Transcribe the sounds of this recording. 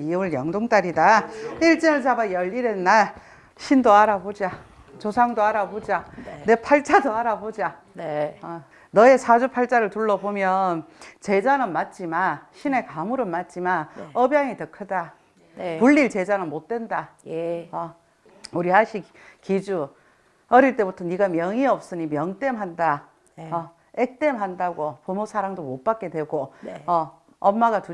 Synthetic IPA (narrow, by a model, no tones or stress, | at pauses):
ioɭjʌŋdoŋt͈aɾidaiɭt͡ɕ͈iŋɯɭt͡ɕabajʌɭiɾenːaɭ | ɕʰindoaɾabod͡ʑa | t͡ɕosʰaŋdoaɾabod͡ʑanepʰaɭt͡ɕ͈adoaɾabod͡ʑa | ʌ | nʌe̞sʰad͡ʑupʰaɭt͡ɕ͈aɾɯɭtuɭːʌbomjʌnt͡ɕe̞d͡ʑanɯnmat̚t͡ɕ͈imanɕʰine̞kamuɾɯmat̚t͡ɕ͈imanʌbjaŋitʌkʰɯda | puʎːiɭt͡ɕe̞d͡ʑanɯnmot̚t͈we̞nda | ʌ | uɾiɦaɕʰi | kid͡ʑu | ʌɾiɭt͈e̞butʰʌniɡamjʌŋiʌp̚s͈ɯɲimjʌŋt͈e̞mɦanda | ʌ | ek̚t͈e̞mɦandaɡopomosʰaɾaŋdomot̚p͈ak͈̚e̞dwe̞ɡoʌ | ʌnmaɡatu